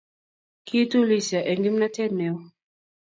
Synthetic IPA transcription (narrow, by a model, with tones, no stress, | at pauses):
kʰi˦tu˦li˦sa˨ʔɛ˨ŋɡi˦m̩na˦tɛ˦nɛ˨ɔ˦